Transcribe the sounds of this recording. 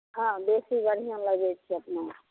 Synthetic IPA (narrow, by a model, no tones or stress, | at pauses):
ɦãbesibəɽ̤ijãləɡet͡ʃʰiəpna